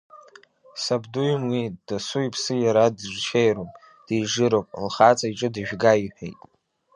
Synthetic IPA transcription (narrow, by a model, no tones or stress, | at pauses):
sabdujmwid̥asuipʰsɨjaɾadɨʒʷt͡ʃʰejɾopʼ | d̥ijʐɨɾowpʼlχat͡sʼaiʈ͡ʂʼɨdɨʒᶣɡaiħʷᶣḛjtʼ